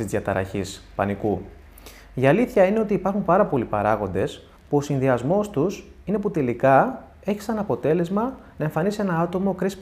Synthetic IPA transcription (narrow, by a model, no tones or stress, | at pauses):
izjɐt̪ɐɾɐ̰çispɐ̰niku | iɐliθçɐine̞o̞t̪iːpɐɾxumpɐɾɐpo̞lipɐɾɐɣo̞nd̪e̞s | puo̞sinðiɐzmo̞st̪us | ine̞put̪e̞likɐ | e̞çi̥sɐnɐpo̞t̪e̞le̞zmɐnɐeɱfɐnisienɐɐt̪o̞mo̞kɾis